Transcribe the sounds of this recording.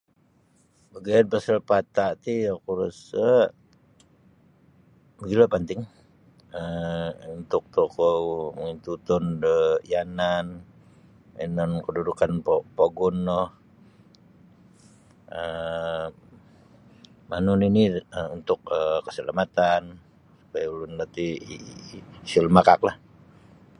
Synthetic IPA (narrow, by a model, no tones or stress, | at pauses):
bəɡianpəsəlpat̪aʔt̪ijakuɾusə | bəɡilapənt̪ɪŋ | əunt̪ʊk̚t̪okomint̪ut̪ɔndəjanan | ḭnɔnkədudukanpopoɡɔnːɔh | ə | manuniniəunt̪ʊk̚əkə̥səlamat̪an | su̥pajaulunlat̪i | silmakak̚lah